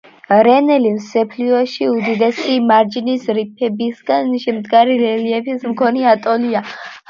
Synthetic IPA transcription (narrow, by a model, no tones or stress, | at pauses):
ɾɛnɛlimsɛpʰliɔʃiud̪id̪ɛsimaɾd͡ʒinisɾipʰɛbisɡanʃɛmd̪ɡaɾilɛliɛpʰismkʰɔniat̪ʼɔlia